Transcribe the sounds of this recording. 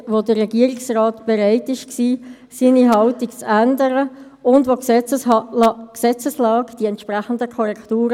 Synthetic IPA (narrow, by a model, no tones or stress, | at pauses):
ʋodəːɛɡiəɾɪksrɑːtb̥eɾaɪtɪʃksiː | siːniɦɑltikt͡sændəɾə | ʊndvoksɛə | ksɛt͡səslɑːɡd̥iɛntʃpʁaχən̩dəkʰɔɾɛktuːɾə